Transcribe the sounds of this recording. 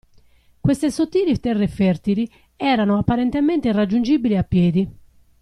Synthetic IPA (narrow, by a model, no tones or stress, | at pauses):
kwest̪esot̪ːiːlit̪ɛrːefɛrt̪ili | ɛːɾanoapːaɾent̪ement̪eirad͡ʒːund͡ʒiːbiliapːjɛːd̪i